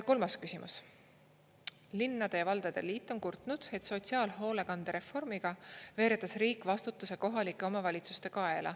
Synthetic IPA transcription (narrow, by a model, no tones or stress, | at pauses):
ko̞lmɑskysʲimʔṵs | linːɑd̪̥e̞jɑvɑld̪̥ɑd̪̥e̞̰liːt̪ːˑo̞nkurt̪ˑnud̪̥e̞t̪so̞t̪siɑːlɦo̞ːle̞kɑnd̪̥eɾe̞fo̞rmiɡ̥ɑve̞ːɾet̪ːˑɑsriːkːˑvɑst̪ut̪ːˑuse̞ko̞ɦɑlikːˑe̞o̞mɑvɑlʲit̪sust̪e̞kɑelʔɑ̰